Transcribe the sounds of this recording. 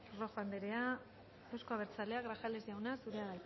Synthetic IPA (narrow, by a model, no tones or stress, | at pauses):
ro̞fand̪eɾe̞a | ewsko̞aβeɾt͡sale̞aɣɾaxale̞zʝawnasuɾe̞aðaj